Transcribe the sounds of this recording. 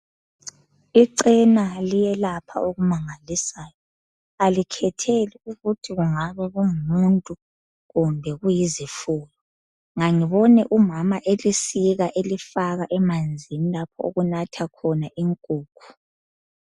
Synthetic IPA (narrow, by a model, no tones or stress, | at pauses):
iǀɛnalijɛlapʰa̰oɣumaŋalisaːjɔ | alikʰɛtʰeliuɣutʰiɣuŋaβɛɣummuntʼu | ɣumbʱɛɣujizifuːlɔ | ŋaŋiβɔnɛʔumamaʔelisiɣaʔelifaɣaʔɛmand͡zʱinilapʰɔ̰o̰ɣunatʰakʰɔnaʔiŋkʼuːkʰu̥